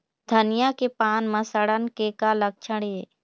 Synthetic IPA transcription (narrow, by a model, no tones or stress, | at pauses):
d̪ʱənɪjakepaːnmə̃səɽənkekalək̚t͡ʃʰəɽe